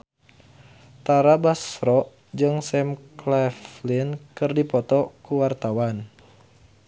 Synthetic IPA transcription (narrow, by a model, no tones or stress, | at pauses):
t̪aɾabasɾɔʔ | d͡ʒɨŋsɛmklɛflinkɨrdipɔt̪ɔkuwart̪awan